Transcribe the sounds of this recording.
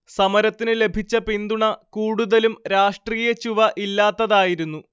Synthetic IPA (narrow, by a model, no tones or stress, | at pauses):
sɐmɐɾɐt̪ːinɨle̞bʱit͡ɕːɐpind̪uɳɐkuːɽuðɐlumɾaːʂʈriːjɐt͡ɕuʋɐʔilːaːt̪ːɐðaːjiɾunːu